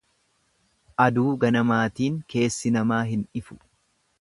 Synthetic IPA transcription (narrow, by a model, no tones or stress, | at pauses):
ʔɐd̪uːɡɐnɐmaːt̪iːŋke̞ːsːɪnɐmaːɦɪnᶑɪfʊ̥